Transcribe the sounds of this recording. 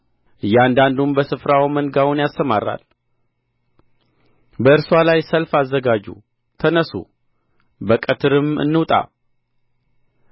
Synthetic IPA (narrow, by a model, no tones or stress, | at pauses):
ʔɨjːand̪and̪umbəsɨfɾawmənɡawunjast̪əmaɾːa̰l | bəɨɾswalajsəlfazːəɡad͡ʒṵ | t̪ʰənəsṵ | bəkʼət̪ʰɨɾɨmɨ̰nːɨwt̪ʼa̰